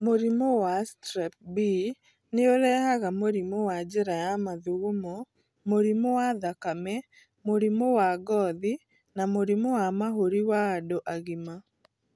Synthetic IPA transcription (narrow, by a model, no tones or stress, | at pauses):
moɾimowastɾɛp̚bi | neoɾɛhaɣamoɾimowad͡ʒɛɾajamaðuɣumo | moɾimowaðakamɛ | moɾimowaɡɔði | namoɾimowamaɦoɾiwaːdoʔaɣima